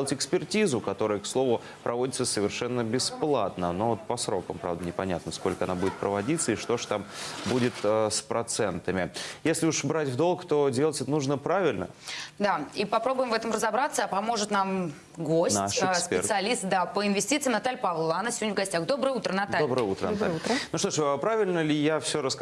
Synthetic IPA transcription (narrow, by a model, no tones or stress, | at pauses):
lˠətʲɪkspʲɪrtʲizʊkɐt̪o̞ɾəjəkslˠo̞vʊ | pɾʔɐvo̞dʲɪt̪səsəvʲɪrʂɛnːəbʲɪsplˠat̪nəno̞vot̪̚pɐsɾo̞kəmpɾa̰vd̪ənʲɪpɐnʲa̰t̪nəsko̞lʲkəɐnabudʲɪt̪̚pɾəvɐdʲit̪sːəiʂt̪o̞ʂt̪ambudʲɪt̪əspɾɐt̪sɛnt̪əmʲɪjesʲlʲɪuʂbɾatʲvd̪o̞lˠkt̪o̞dʲelˠətʲɛt̪ənuʐnəpɾavʲɪlʲnə̰d̪aipɐpɾo̞bʊjɪmvɛt̪əmrəzɐbɾat̪səpɐmo̞ʐɨt̪nam | ɡosnʲasʲpʲeɪrsɨɐlʲist̪̚d̪apəɪnvʲɪsʲtʲit̪sɨjmnɐt̪alʲpavlˠanəfsʲɪvodnʲəvɡɐsʲtʲaxd̪o̞bəəut̪ɾənɐtd̪alobɾəjəut̪ɾənaɾənuʂt̪oʂəpɾavʲɪlʲnəlʲɪjafsʲoɾəsk